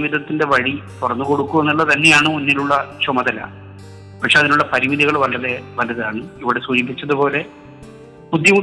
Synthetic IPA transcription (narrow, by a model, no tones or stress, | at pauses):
ʋid̪ʱɐt̪ːinde̞ʋɐɻit̪urɐnːuko̞ɽukːume̞nːulːɐt̪ɐnːe̞jaːɳɨmunːiluɭːɐt͡ɕumɐðɐlːɐ̰ | pɐʈʂeɐðinuɭːɐpɐɾiʋiðiɣɐɭʋɐlɐðe̞ʋɐlɐðaːɳɨiʋiɽe̞suːd͡ʑip̬ːit͡ɕːɐðupo̞ːle̞ | pud̪ʱjɐm